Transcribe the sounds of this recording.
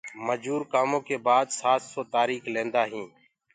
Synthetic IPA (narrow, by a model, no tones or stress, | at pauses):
məd͡ʒuːɾkaːmõːkeːbaːd̪saːt̪soːt̪aːɾiːkʰlẽːnd̪aːɦĩː